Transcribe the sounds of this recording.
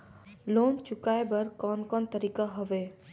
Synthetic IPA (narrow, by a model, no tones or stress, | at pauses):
loːnt͡ʃʊkaːebɐɾkɔːnkɔːnt̪əɾiːkaɦɔʋeː